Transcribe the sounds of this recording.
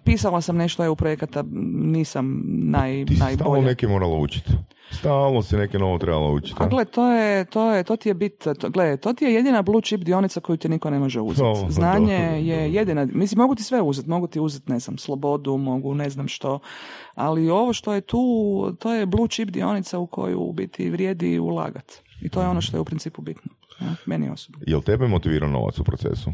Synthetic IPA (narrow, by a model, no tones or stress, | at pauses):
piːsalasamneʃt̪ojeupɾojekat̪aniːsamnajt̪inajb̪aboʎonekemoːɾaloṵt͡ʃi̥t̪ | saːlˠnosinekenoʋot̪ɾeba̰lˠo̰ṵt͡ʃi̥tp̪aɡlet̪oːjet̪oːjet̪oːt̪ijebit̪t̪ɡled̪t̪oːt̪ijejed̪inablˠuːt͡ʃipd̪io̞nit̪sako̞jut̪inikone̞mo̞ʒɛṵzeznaːɲejejed̪inamislimo̞ɡut̪isʋeuzɛt̪mo̞ɡut̪iuzet̪ne̞znamslˠobo̞d̪umo̞ɡune̞znamʃt̪o̞ | alio̞ʋoʃt̪o̞jet̪uːt̪oːjeblˠuːt͡ʃipd̪ḭo̞̰nit̪saukʰo̞̰jṵbḭt̪ʰḭʋɾʲjeːd̪ḭṵlˠa̰ːɡa̰t̪ | it̪o̞ːjeo̞noʃt̪ojeupɾint̪siːpubit̪no | namenḭo̞̰sobnojḛlt̪ebɛmot̪iʋḭɾa̰no̰ʋa̰t̪supɾot̪sḛsu